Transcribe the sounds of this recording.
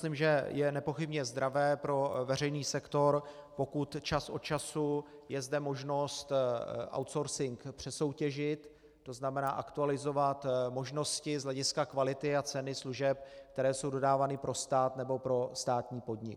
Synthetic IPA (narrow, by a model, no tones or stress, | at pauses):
limʒɛjɛnɛpo̞xɪbɲɛzd̪ɾavɛːpɾo̞vɛr̝ɛjniːsɛkt̪o̞ɾpo̞kut̪t͡ʃasʔo̞t͡ʃasujɛzdɛmo̞ʒno̞st̪ʔa̰wt̪so̞ɾsɪŋkpr̥ɛso̞wcɛʒɪt̪ː | o̞znamɛna̰ːʔakt̪ualɪzo̞vat̪mo̞ʒno̞scɪzlɛɟɪskakvalɪt̪ɪat͡sɛnɪsluʒɛp̚kt̪ɛɾɛːso̞wdo̞daːvanɪpɾʔo̞st̪aːt̪nɛbo̞pɾo̞st̪aːt̪ɲiːpo̞dɲɪ̰k